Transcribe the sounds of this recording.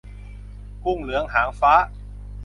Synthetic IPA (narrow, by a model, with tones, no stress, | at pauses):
ku˥˩ŋlɯ˩˦əŋɦaː˩˦ŋfaː˦˥